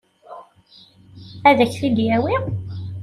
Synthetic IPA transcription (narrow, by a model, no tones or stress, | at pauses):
æðəçθid̪jæwi